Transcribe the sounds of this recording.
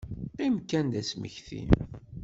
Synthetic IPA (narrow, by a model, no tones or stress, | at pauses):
imkːænd̪æsmə̰çθḭn